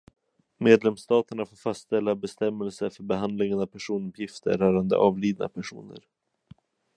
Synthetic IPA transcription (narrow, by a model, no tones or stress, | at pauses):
meːd̪lɛmst̪ɑːt̪əɳafoːɾfast̪sɛlːabɛst̪ɛmːɛlsəfœɾbɛɦand̪lɪŋənavpʰæʂuːnɵpʰjɪft̪ʰə̰ɾœːɾand̪ə̰ʔɑːvliːd̪na̰pʰæʂṵːnə̰ɾ